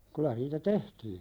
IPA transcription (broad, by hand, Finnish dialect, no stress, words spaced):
kylæ niːtæ tehtiːn̥